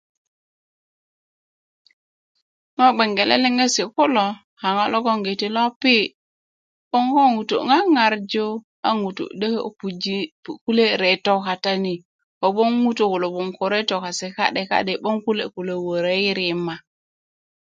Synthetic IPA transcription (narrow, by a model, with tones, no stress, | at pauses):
ŋa˦ɓe˨ŋɡe˨lḛ˦le˦ŋe˦si˨ko˦lo˨ | ha˨ŋa˦lo˦ɡo˦ŋɡe˨ti˨lo˦pi˦ | ɓo˦ŋko˦ŋu˨to̰˨ŋa˦ŋa˨ɾd͡ʒo˦ | a˦ŋu˨to̰˨ɗe˦kpu˨d͡ʒku˦le˦ɾe˨to˦ka˨ta˦ni˨ | ko˨ɓo˦ŋŋu˦to˨ku˨lo˨bo˨ŋko˨ɾe˦to˨ka˨se˨ka̰˦ɗe˨ka̰˦ɗe˨bo˦ŋku˦le˨ku˨le˨wo˨ɾe˦i˦ɾi˨ma˨